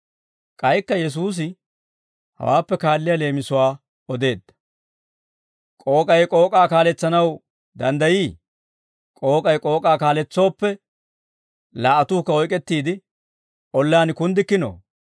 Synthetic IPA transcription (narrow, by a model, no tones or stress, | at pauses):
kʼɐjkːɐjɛs̬uːs̬ɪ | hɐ̰waːpːɛkaːlːɪjale̞ːmɪsʊwaː | ɔd̪e̞ːd̪ːɐ̥ | kʼo̞ːkʼɐjkʼo̞ːkʼaːkaːlɛt͡sːɐnɐw | d̪ɐnd̪ɐjiː | kʼo̞ːkʼɐjkʼo̞ːkʼaːkaːlɛt͡sːo̞ːpːɛ | laːʔɐt̪uːkːɐɔjkʼɛt̪ːiːd̪ɪ | ʔɔlːaːnkʊnd̪ɪkːɪno̰ː